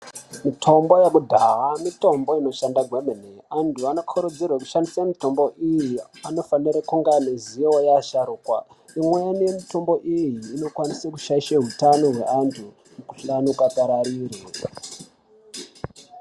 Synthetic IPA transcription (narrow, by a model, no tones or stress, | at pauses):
mitʰo̞mbo̞jakudʱaɦamito̞mbo̞ino̞ʃandaɡʱwemeneantʰuano̞kʰoɾud͡zirwaku̥ʃandisamito̞mbo̞ʔijiano̞faniɾakuŋɡamizijewojaʃaɾuːkwa̰ | imwe̞niemito̞mbo̞ʔijiːno̞kwanisakuʃaiʃeɦutanoɦwe̞antʰu | mukuɬanukataɾaɾiːre